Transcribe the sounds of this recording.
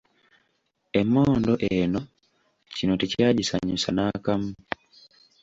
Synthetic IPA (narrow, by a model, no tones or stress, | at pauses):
emːoːndoʔeno | cinoticiaɟisa̰ɲusanakamu